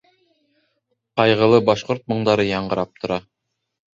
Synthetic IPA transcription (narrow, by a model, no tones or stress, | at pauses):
qɑjʁɤ̆lˠɤbɑʃqoɾt̪̚mɤ̆ɴd̪ɑɾɤjɑɴɢɤ̆ɾɑp̚t̪ŏɾɑ